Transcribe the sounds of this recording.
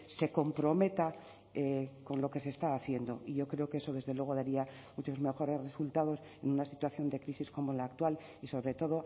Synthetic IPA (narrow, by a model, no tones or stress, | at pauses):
se̞ko̞mpɾo̞me̞t̪a | eko̞nloke̞se̞ːst̪aːθje̞nd̪o̞iʝo̞kɾe̞o̞keeso̞ðe̞zðe̞lwe̞ɣ̞o̞ðaɾia | mut͡ʃo̞zme̞xo̞ɾe̞zre̞sult̪aðo̞s | e̞nunasit̪waθjo̞nd̪e̞kɾisisko̞moelaːk̚t̪wal | iso̞βɾe̞t̪o̞ðo̞